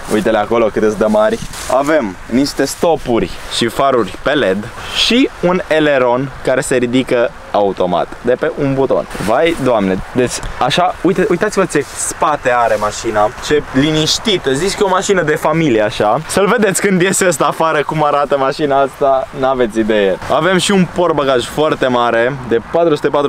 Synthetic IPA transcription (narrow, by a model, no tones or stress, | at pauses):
ṵjt̪eleako̞lo̞kɨt̪ɨsd̪emarʲa̰ve̞mniʃt̪e̞st̪o̞purʲʃifaɾurʲpe̞le̞d̪ʃiune̞le̞ɾo̞nkaɾe̞se̞ɾid̪ikə | aut̪o̞ma̰t̪d̪e̞pe̞ʔunbut̪o̞̰nvajd̪oamne̞d̪e̞t͡ʃʲaʃaujt̪eʔujt̪at̪sivət͡ʃe̞spat̪e̞aɾe̞maʃinat͡ʃe̞liniʃt̪it̪əziskeomaʃinəd̪e̞familieaʃasəlve̞d̪e̞t̪sʲkɨnd̪je̞seəs̬t̪aːfaɾəkumaɾat̪əmaʃinaast̪anave̞t̪sid̪e̞jeave̞mʃiunpo̞rbaɡaʒfoart̪e̞maɾe̞d̪e̞pat̪ɾusu̥t̪e̞pat̪ɾu